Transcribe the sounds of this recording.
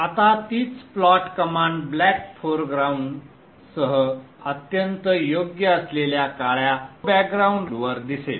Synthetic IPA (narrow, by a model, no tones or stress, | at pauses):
at̪at̪iːt͡sflɔʈkəmãɳɖblækfʰoɾɡɾauɳɖ | səɦə | ət̪jənt̪əjoɡjəəsleljakaɭjabæk̚ɡɾauɳɖɾuʋəɾd̪isel